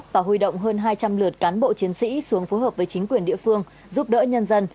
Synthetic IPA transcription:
p̚vaː˨˩ɦui˧˩ɗə̰˧˨wŋ͡mɦəː˧nɦaː˧jt͡ɕa˧mlɨ˨˩ət̚kaː˨˦nɓo̰˧˨t͡ɕi˨˦ənsḭ˧˥su˨˦əŋfo˨˦jɦəː˨˩p̚vəː˨˦jt͡ɕï˨˦ŋ̟kwi˨˩ənɗḭ˧˨əfɨ˧əŋ | zu˦˥p̚ɗə̰ː˧˥ɲə˧nzə˧n

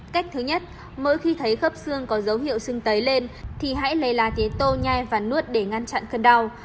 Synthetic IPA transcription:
ka˦˥jk̟̚t̪ʰɨ˨˦ɲə˦˥t̚ | mo̰˧˥jxi˧t̪ʰə˨˦jxə˦˥p̚sɨ˧əŋkɔ˨˦zə˨˦wɦḭ˧˨əwsɨ˧ŋt̪ə˨˦jle˧nt̪ʰi˨˩ɦa̰ː˧˥jlə˨˩jlaː˨˩t̪i˨˦t̪o˧ɲa˧jvaː˨˩nu˦˥ət̚ɗe˧˩ŋa˧nt͡ɕa̰˧˨nkə˧nɗa˧w

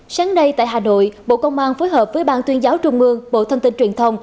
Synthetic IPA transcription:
saː˨˦ŋɗə˧jt̪a̰ː˧˨jɦaː˨˩no̰˧˨jɓo̰˧˨kə˧wŋ͡mʔaː˧nfo˨˦jɦəː˨˩p̚vəː˨˦jɓaː˧˩nt̪wi˧ənzaː˨˦wt͡ɕʊ˧ŋ͡mʔɨ˧əŋɓo̰˧˨t̪ʰə˧mt̪ï˧nt͡ɕwi˨˩ənt̪ʰə˧wŋ͡m

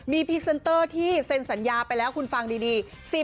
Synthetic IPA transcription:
miː˧pʰi˦˥k̚se˧˥nt̪ɤː˥˩t̪ʰiː˥˩se˧nsa˩˦njaː˧pa˧jlɛː˦˥wkʰu˧nfa˧ŋdiː˧diː˧ | si˨˩

